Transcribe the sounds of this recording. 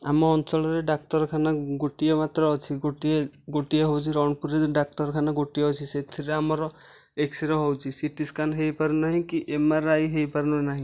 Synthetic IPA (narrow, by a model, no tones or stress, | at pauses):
a̰mɔːnt͡ʃɔlɔɾeɖak̚ʈɔɾkʰanaɡoʈijɔmat̪ɾɔɔt͡ʃʰiɡoʈieɡoʈijaɦɔwt͡ʃʰiɾɔɳpuɾeɖak̚ʈɔɾkʰanaɡoʈijɔɔt͡ʃʰiset̪ʰiɾeamɔɾɔ | eksiɾɔɦɔwt͡ʃʰisiʈiskanɦejpaɾunaɦĩkiʔemaɾajɦejpaɾnunaɦĩ